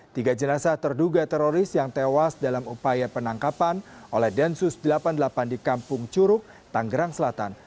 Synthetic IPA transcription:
t̪iɡad͡ʒənasaht̪ərduɡat̪ɛɾoɾɪsjaŋt̪ewasdalamupajapənaŋkapanʔolɛhdɛnsʊsdəlapandəlapandikampʊŋt͡ʃuɾʊk̚ | t̪aŋɡəɾaŋsəlat̪a̰n

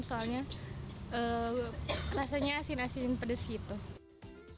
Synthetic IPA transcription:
soalɲa | ə | rasaɲaːsɪnasinnpədəsɡit̪u

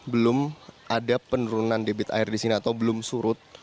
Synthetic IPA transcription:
bəlʊmʔadapənuɾunandebɪt̪a̰ɪrdisiniat̪awbəlʊmsuɾʊt̪̚

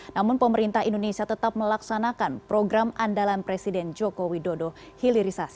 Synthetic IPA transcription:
namʊnpəməɾint̪aɦindonesiat̪ət̪ap̚məlaksanakanpɾoɡɾamandalanpɾesidɛnd͡ʒokowidodo | hiliɾisas

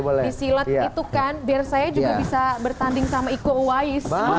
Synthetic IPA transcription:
bolɛdisilat̪̚it̪ukanbaarsajad͡ʒuɡabisabərt̪andɪŋsamaikowaɪsa

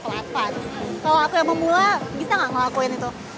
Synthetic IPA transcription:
əla̰pankaloakujaŋməmulabit̪aŋaŋaakuɪnit̪u

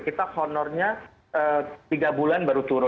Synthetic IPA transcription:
kit̪ahɔnɔrɲa | ʔət̪iɡabulanbaɾut̪uɾʊ

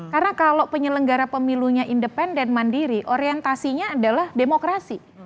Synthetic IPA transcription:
karənakalopəɲələŋɡaɾapəmiluɲaʔindəpɛndɛnmandiɾiʔoɾiɛnt̪asiɲaːdalahdemokɾasi

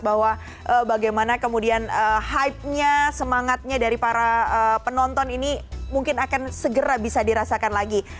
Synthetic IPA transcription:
bahwa | ʔəbaɡajmanakəmudianəhaip̚ɲasəmaŋat̪̚ɲadaɾipaɾaəpənɔnt̪ɔninimuŋkɪnakansəɡəɾabisadiɾasakanlaɡi

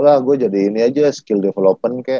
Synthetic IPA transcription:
lahɡuad͡ʒadiːniad͡ʒasə̥kɪldefelopənkaja

